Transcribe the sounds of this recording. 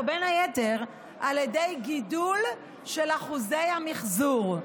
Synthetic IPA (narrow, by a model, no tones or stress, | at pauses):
benajeteʁ | ʔaljedejɡidul | ʃelaχuzejhamiχzuʁ